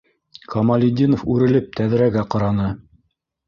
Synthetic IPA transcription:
kʰɑmɑlʲɪd̪ʲinofʉɾɘ̆lɘp̚t̪æð̆ɾæɡæqɑɾɑnɤ

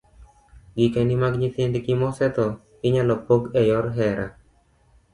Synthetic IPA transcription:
ɡikenimaɡɲɪt̪endɡimɔsɛt̪ɔ | ɪɲalɔpoɡɛjɔɾɦɛɾa

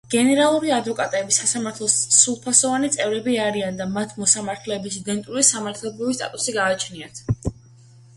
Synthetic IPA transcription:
ɡ̥ɛnɛɾalˠuɾiad̪vɔkʼat̪ʼɛbisasamaɾt̪ʰlˠɔsːulˠpʰasɔvanit̪sʼɛvɾɛbiaɾiand̪amat̪ʰmɔsamaɾt̪ʰlɛːbisid̪ɛnt̪ʼuɾisamaɾt̪ʰlɛbɾivist̪ʼa̰t̪ʼusiɡaːt͡ʃʰniat̪ʰ

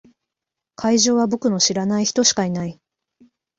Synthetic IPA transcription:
kʰaiʑo̞ːβabo̞kɯ̟no̞ɕiɾanaiçi̥t̪o̞ɕi̥kainai

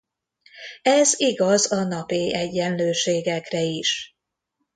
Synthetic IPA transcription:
ɛziɡɒzɒnɒpiɛɟːɛnløːʃeːɡɛkrɛiʃ

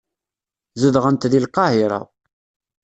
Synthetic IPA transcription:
zəðʁənt̪ðilqːɑhiɾˤɑ̰

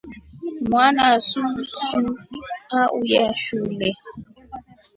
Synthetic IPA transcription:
mwanasũsuaʔujaʃulɛ

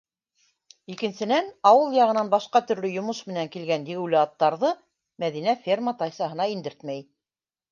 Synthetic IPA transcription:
ikɘ̆nsɘ̆nænɑwɤlˠjɑʁɤ̆nɑnbɑʃqɑt̪ɵ̆ɾlɵjŏmɤʃmɘ̆næŋkilɡænd̪iɡulʲɘɑt̪ːɑɾðɤ | mæðinæfʲermət̪ɑjsɑɦɤ̆nɑind̪ɘɾt̪mæj

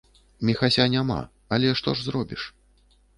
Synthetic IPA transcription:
mʲixasʲanʲama̰ | ɐlʲɛʂt̪ɔʐzrɔbʲiʂ

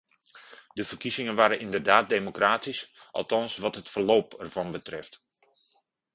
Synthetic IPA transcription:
dəvərkizɪŋənʋaːɾənɪndərdaːt̚deːmokraːtisʔɑ̰lˠtɑnsʋɑtɦətfərloːpɛrv̥ɑnbətrɪft

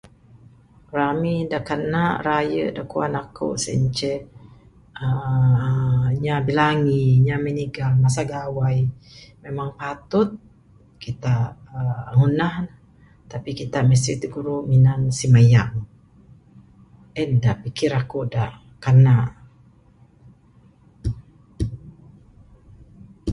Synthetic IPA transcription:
ramidaʔkanaʔrajə̰daʔkuanakʰo̰ʔsə̰ɲt͡ʃə | ə | ɲabilaŋiɲaməniɡalmas̬aɡawajmemaŋpat̪ʊt̪̚ | kit̪aʔəŋunahn | t̪apikit̪aʔməs̬t̪ɾit̪uɡuɾuminansiməjaŋ | ɛndaʔpikɪɾakuʔdaʔ | kanaʔ

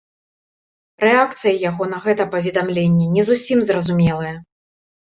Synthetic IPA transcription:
ɾɛak̚t̪sɨjɐjaɣɔn̪ɐɣɛt̪ɐpɐvʲɛd̪amlʲenʲːɛnʲɛzusʲimzrɐzumʲɛlˠɨjɛ

